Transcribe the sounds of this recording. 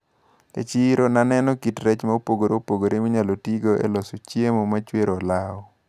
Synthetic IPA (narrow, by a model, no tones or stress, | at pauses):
ḛt͡ʃiɾonanɛnɔkitɾɛt͡ʃmaopoɡoɾeopoɡoɾemiɲalotiɡoḛlɔsot͡ʃjemomat͡ʃweɾɔlaɔ